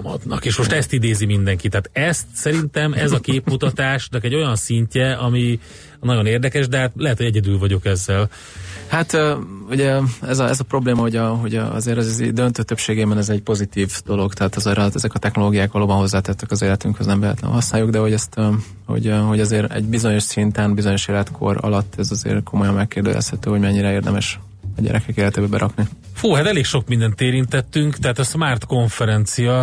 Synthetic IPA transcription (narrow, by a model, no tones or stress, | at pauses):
mɒ̰d̪nɒ̰keːʃmo̞ʃt̪ɛst̪id̪eːzimind̪ɛŋkit̪ːɛaːt̪ɛst̪sɛɾint̪ɛmɛzɒkeːpmut̪ɒt̪aːʃnɒkɛɟːo̞jɒnsiɲcɛɒmi | nɒɟo̞neːrd̪ɛkɛʃd̪ɛɦaːt̪lɛɦɛt̪hoɟɛɟɛd̪ylvɒɟo̞kɛzːɛl | hat̪øuɟɛɛzɒɛzɒpɾo̞bleːmɒho̞ɟɒɦo̞ɟɒ̰zeːɾɛzz̰d̪ønt̪øːt̪øpʃeːɡeːbɛnɛzɛɟpo̞zit̪iːvd̪̥o̞lo̞ɡt̪ɛaːt̪ɒzeːɾɒɛzɛkɒt̪ɛxno̞loːɡijaːkʋɒloːbɒnɦozːaːt̪ɛt̪ːɛkɒzeːlɛt̪yŋkhøznɛmvɛɦɛ̰t̪lɛ̰nɦɒsnaːjoɡd̪ɛho̞ɟɛst̪ | ho̰ɟho̞ɟɒzeːɾɛ̰ɟbizo̞ɲo̞ʃsint̪ɛnbizo̞ɲo̞ʃeːlɛt̪kʰo̞̰rɒ̰lɒt̪ːɛzɒzḛːrkʰo̞mo̞jɒmmɛkːeːrd̪ø̰lʔɛ̰shɛt̪øːho̞ɟmɛɲːiɾɛeːrd̪ɛmɛʃ | ɒɟɛ̰ɾʔɛkɛkeːlɛt̪eːbɛbɛɾʔɒknifuːɦat̪ɛleːkʃo̞k̚mind̪ɛnt̪eːɾint̪ɛt̪ːyŋkt̪ɛɦaːt̪ɒsmaːrt̪ko̞ɱfɛɾɛnt̪sijɒ